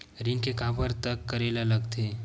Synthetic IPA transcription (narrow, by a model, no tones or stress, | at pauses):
ɾɪŋkekãːbəɾt̪əkːəɾeːlaləɡt̪ʰeː